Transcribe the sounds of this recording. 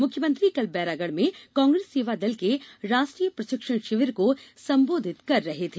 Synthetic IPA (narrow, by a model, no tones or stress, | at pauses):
mʊkʰjəmə̃nt̪ɾikɐlbɛːɾaːɡəɽmẽkãːŋɡɾeːsːeːʋad̪ɐlkeɾaːsʈɾiːjəpɾɐʃɪkʂəɳ̃ʃɪʋəɾkosɐ̃mboːd̪ʱɪt̪kɐɾːɐɦet̪ʰeː